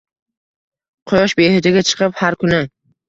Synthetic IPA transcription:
qʰʊjɒʃbehɪd͡ʒ̪ɪɡʲat͡ʃʰɨ̥qʰɨphaɾkʰʊnɪ

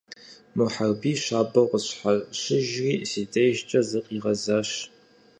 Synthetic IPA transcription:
muħarbiːɕaːbɐqʷəɕħarɕɪʒriːsiːtʰʼejʒt͡ʃʼɐzɨqʼiːʁɐzaːɕ

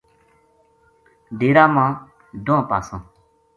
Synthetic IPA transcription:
ɖeːɾaːmãː | d̪õãpaːsə̃ː

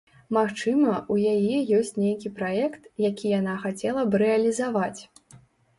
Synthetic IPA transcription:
maxt͡ʂɨmɐʔujajɛjɔsʲt͡sʲnʲejkʲipɾajɛkt̪jakʲijanaxat͡sʲɛlˠɐbɨɾɛɐlʲizavat͡sʲ

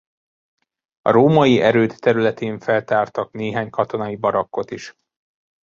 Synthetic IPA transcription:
ɒ̰ɾoːmɒjiʔɛɾøːt̪ːɛɾylɛt̪eːɱfɛlt̪aːrt̪ɒkneːɦaːɲkɒt̪o̞nɒibɒɾɒkːo̞t̪iʃ

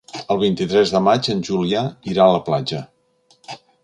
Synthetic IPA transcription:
əlˠβ̞int̪it̪ɾɛzðəmad͡ʒənʲʒuliaiɾaələplad͡ʒə

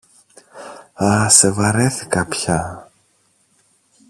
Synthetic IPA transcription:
ɐsevɐɾeθi̥kɐpçɐ

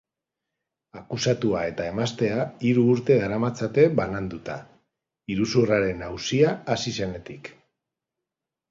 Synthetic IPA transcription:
akusat̪uae̞t̪ae̞mast̪e̞aiɾuːɾt̪e̞ðaɾamat͡sat̪e̞βanand̪ut̪a | iɾusuraɾe̞nawsiaːsise̞ne̞t̪ik

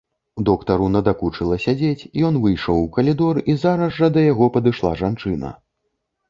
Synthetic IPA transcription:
ud̪ɔkt̪ɐɾunɐd̪akut͡ʂɨlˠɐsʲad͡zʲet͡sʲijɔn̪vɨjʂɔwkɐlʲid̪ɔrizaɾɐzːɐd̪ɐjaɣɔpɐd̪ɨʂlˠa̰ʐant͡ʂɨnɐ̰

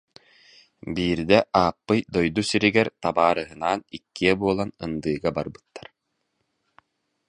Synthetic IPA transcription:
biːɾd̪ɛʔaːpːɯjd̪ɔjd̪usiɾiɡɛɾt̪abaːɾɯɦɯnaːnikːiɛbuɔlˠanɯnd̪ɯːɡabaɾbɯ̥t̪ːḁɾ

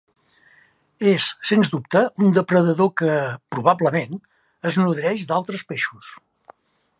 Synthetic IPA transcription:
esːenzd̪up̚t̪əund̪əpɾəðəðokəpɾuβabləmen | əznuðɾɛʃd̪alˠt̪ɾəspeʃus

